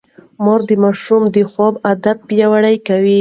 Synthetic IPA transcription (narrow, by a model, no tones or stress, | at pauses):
moɾd̪əmaʃumd̪əxobad̪at̪̚pjawaɽajkawi